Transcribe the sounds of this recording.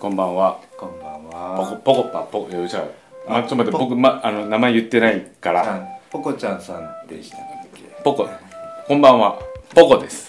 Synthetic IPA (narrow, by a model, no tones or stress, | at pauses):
kõ̞mbãɰ̃βakõbãapokopokopapokeɯt͡ɕamat͡ɕomat̪ebo̞k̬ɯ̟maʔano̞namaejɯ̟t̪ːe̞naikaɾapokot͡ɕãsãnd̪e | pokokõmbãɰ̃βapoko̞d̪e̞sɨ̥